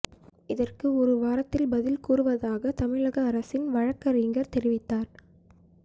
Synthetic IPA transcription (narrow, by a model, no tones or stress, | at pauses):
ɪðɐrkɯɔɾɯʋaːɾɐt̪ːɪlbɐðɪlkuːrɯʋɐðaːɣɐt̪ɐmɪɻɐɣɐːɾɐsɪnʋɐɻɐkːɐɾiːŋɡɐɾt̪ɛɾɪʋɪt̪ːaːɾ